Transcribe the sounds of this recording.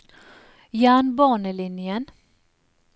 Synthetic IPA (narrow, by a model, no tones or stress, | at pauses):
jæːnbɑːɳəlɪnjən